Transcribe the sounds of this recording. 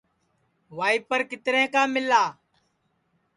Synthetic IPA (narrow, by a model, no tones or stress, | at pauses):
ʋaːiːpəɾkɪt̪ɾẽːkãːmɪlaː